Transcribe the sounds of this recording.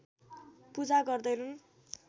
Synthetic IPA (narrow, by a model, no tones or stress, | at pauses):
pud͡zaɡʌrd̪ʌjnun